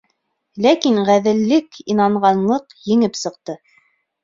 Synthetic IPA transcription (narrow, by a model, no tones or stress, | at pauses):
lækinʁæðɘ̆lːɘkinɑɴʁɑnlˠɤqjɘ̆ŋɘpsɤ̆qt̪ɤ